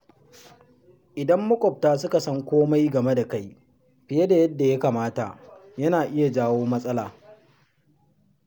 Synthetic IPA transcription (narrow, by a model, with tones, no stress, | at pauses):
ʔɪ˨dɐ˦mːʊ˦kʷʼɔ˨p̚taː˦sʊ˦ka˨sɐ˦ŋkʷoː˦ma˦jɡɐ˨me˦da˨ka˦j | ɸɪ˨je˦da˨jɐ˦dːa˨ja˦kaː˨maː˦ta˨ʔjɐ˦naː˨ʔɪ˦ja˨d͡ʒaː˦woː˦mɐ˦sʼɐ˦laː˨